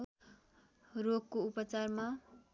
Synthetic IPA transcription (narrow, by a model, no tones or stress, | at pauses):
roɡkoupʌt͡sarma